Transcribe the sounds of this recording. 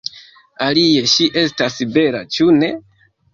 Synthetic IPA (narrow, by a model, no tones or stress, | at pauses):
alie̞ʃiʔe̞stasbe̞la̰t͡ʃune̞